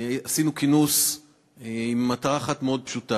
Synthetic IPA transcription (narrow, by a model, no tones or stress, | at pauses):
asinukinus | imːataʁaaχatmeo̞d̪̚pʃuta